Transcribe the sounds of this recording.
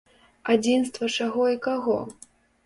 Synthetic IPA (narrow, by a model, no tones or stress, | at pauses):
ad͡zʲinst̪vɐt͡ʂaɣɔikaɣɔ